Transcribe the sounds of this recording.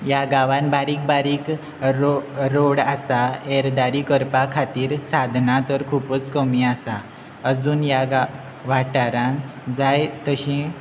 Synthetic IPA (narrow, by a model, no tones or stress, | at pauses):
jaɡaʋanbaɾiːk̚baɾiːk | ɾoɾoɽasaeɾd̪aɾikəɾpakʰat̪iːɾsad̪ʱnat̪əɾkʰuːpət͡skəmiasa | əd͡zuːnjaɡa | ʋaʈaɾãŋd͡zajt̪əɕẽ